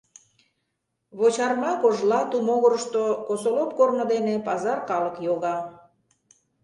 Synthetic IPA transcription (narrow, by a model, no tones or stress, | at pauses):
βot͡ɕɑrmɑkoʒlɑt̪umoɣoɾəʃt̪okosolop̚kornəd̪enepɑzɑrkɑlə̆kjoɣɑ